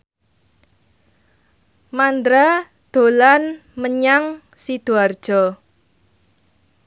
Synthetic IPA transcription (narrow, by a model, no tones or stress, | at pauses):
mand̪ɾa | d̪̥o̤lanməɲaŋ | sid̪̥ṳard̥ʒ̥ɔ